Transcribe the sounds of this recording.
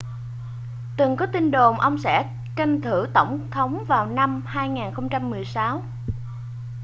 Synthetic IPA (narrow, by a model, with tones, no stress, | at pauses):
t̪ɨ˨˩ŋkɔ˨˦t̪i˧nɗo˨˩nʔə˧wŋ͡msɛ̰˧˥ | kə˧ŋt̪ʰɨ˧˩t̪ə˧˩wŋ͡mt̪ʰə˨˦wŋ͡mvaː˨˩wna˧mhaː˧jŋaː˨˩nxə˧wŋ͡mt͡ɕa˧mːɨ˨˩əjsaː˨˦w